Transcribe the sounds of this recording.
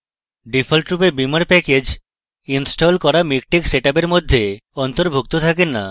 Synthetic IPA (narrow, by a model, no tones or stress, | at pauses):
ɖifʰolʈɾupeɾbimaɾpɛked͡ʑ | insʈolkɔɾamik̚ʈikseʈap̬eɾmod̪ʱːeɔnt̪oɾbʱuk̚t̪ot̪ʰakenːa̰